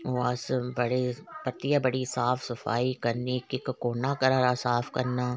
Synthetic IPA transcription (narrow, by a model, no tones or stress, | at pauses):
oːɐsbɐɽepɐt̪ijabɐɽisaːfʰsɐfaːikɐɾnikɪkkoːnakɐɾaːɾasaːfʰkɐɾnaː